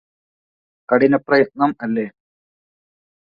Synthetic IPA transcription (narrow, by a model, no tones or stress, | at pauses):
kɐɽinɐprɐjɐt̪̚nɐmɐlːeː